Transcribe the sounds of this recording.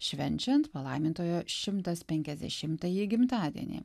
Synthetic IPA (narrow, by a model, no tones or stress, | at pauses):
ʃʲʋʲɛnʲˑt͡ʃʲɛnt̪pɐlˠɐɪmʲɪnt̪oːjoːʃʲɪmt̪ɐspʲɛŋʲkʲɛzʲd̪ʲɛ̰ʃʲɪmt̪ɐjiɡʲɪmt̪ɑːd̪ʲḭɛ̰nʲḭː